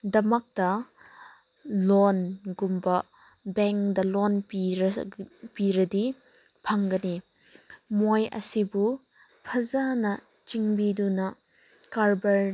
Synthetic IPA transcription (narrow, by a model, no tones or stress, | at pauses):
dɐmɐk̚tɐ | lɔnɡumbɐ | bɛŋkdɐlɔnpiɾpiɾɐdi | pʰɐŋɡɐni | mojɐ̰sibu | pʰɐzanɐ | t͡ʃiŋbidunɐ | kaɾbɐɾ